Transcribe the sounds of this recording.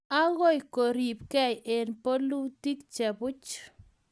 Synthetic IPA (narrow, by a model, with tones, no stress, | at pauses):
a˦ɣɔ˦jko˨ɾi˨p̚kɛ˦je˨npo˦lu˦ti˦kt͡ʃɛ˨pʊ˦t͡ʃ